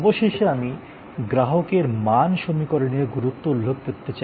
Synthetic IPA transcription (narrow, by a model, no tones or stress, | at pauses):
boʃeʃeami | ɡɾaɦokeɾmanʃomikoɾeneɡuɾut̪ːoulʱːob̚keɾt̪ːet͡ɕa